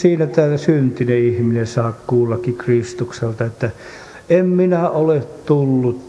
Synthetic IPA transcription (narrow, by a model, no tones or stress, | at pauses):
siːnæt̪æːsynt̪ineihminesɑːkkuːlːɑkːikrist̪ukselt̪ɑet̪ːæ | emminæolet̪t̪ulːut̪